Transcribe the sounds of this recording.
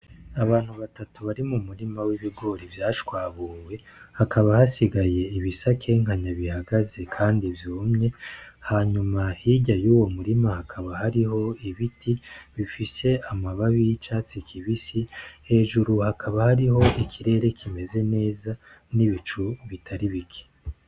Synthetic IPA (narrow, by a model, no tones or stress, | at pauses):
aβaːn̥huβatatuβaɾimumuɾimawiβiɡo̞ːɾivjaːʃkwaːβuːwe̞hakʰaβahasiɡaje̞iβisakʰe̞ŋ̥haɲaβihaɡazekʰaːndivjoːmɲe̞haɲumahiːɟajuːwo̞muɾimahakʰaβahaɾiho̞iβitʰiβifise̞amaβaβit͡ʃaːt͡sikʰiβisihe̞ːʒuɾuhakʰaβahaɾiho̞ʔikʰiɾe̞ɾe̞kʰime̞ze̞ne̞ːza | niβit͡ʃuβitʰaɾiβikʰe̥